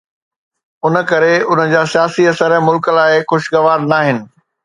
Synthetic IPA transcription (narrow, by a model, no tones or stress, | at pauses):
ʊnə̆kɐɾeʊnəd͡ʑaːsijaːsiɐsəɾəmʊlkəlaːɪxʊʃɡɐʋaːɾnaːɦɪnɪ̆